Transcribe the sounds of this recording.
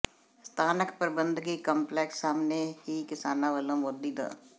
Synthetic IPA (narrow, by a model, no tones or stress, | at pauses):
st̪ʰaːnəkpəɾbə̃nd̪ʱɡikɔ̃mpleːksːaːmnehikɪsaːnaʋəlõmoɾd̪iːd̪a̰ː